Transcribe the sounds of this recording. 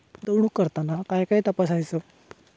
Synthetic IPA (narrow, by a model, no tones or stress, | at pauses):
d̪əwɳ̃uːkːəɾt̪anakajkaɦiːt̪əpasajt͡sə